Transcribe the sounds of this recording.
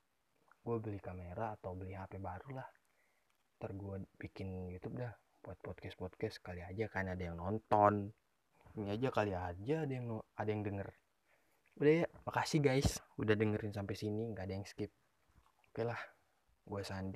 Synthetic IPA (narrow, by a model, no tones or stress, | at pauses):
ɡuabəlihkameɾaːt̪awbəlihapɛbaɾulah | t̪ərɡuabikɪnjut̪up̚dah | buat̪̚pɔt̪̚kɛspɔt̪̚kɛskaliad͡ʒakanadajaŋnɔnt̪ɔn | niad͡ʒakaliad͡ʒaːdajaŋnadajaŋdəŋər | udahjamakasɪhɡajsudahdəŋəɾɪnsampasiniŋɡaːdajaŋskɪp̚ | ukalah | ɡuasandi